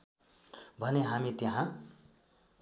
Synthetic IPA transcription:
bʱʌneɦamit̪eɦã

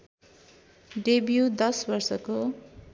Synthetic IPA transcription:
ɖebjud̪ʌsbʌrsʌko

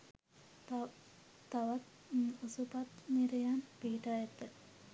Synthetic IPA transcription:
aʋat̪ | osupat̪miɾejanpiːʈajat̪ːe

